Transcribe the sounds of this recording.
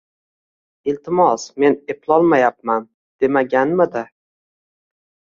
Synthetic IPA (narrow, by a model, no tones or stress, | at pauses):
ɪlt̪ʰɪmɒsme̞neplˠɒlˠmajap̚man | d̪̥e̞maɡʲanmɪd̪a